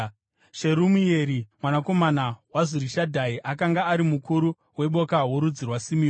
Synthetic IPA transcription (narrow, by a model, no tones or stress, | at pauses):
ʃe̞ɾumie̞ɾimwanako̞manawaziɾiʃadʱaiʔakaŋɡaːɾimukuɾu | we̞ɓo̞kawoɾud͡zirwasimijo